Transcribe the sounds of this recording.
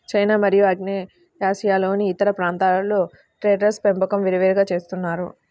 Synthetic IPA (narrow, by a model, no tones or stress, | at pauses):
t͡ʃɐjnaːmɐɾijuɐɡneː | ɦaːsijaːlo̞ːniːt̪ɐɾɐpɾaːnt̪aːloː | ʈɾeːɖɐɾspempɐkɐmʋiɾiʋeːɾiɡaːt͡ʃe̞ːst̪unːaːɾu